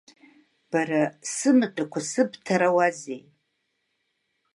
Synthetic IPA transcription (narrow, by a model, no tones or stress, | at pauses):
b̥aɾasɨmɨt͡pʷʰʼakʷʰasɨbtʰaɾawazḛj